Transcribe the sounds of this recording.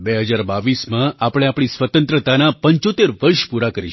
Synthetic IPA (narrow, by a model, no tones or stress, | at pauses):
beɦəd͡ʒaɾbaʋismãapɽ̃eapɽ̃isʋət̪ə̃nt̪ɾət̪anapəɲt͡ʃot̪eɾʋəɾʃpuɾakəɾiʃ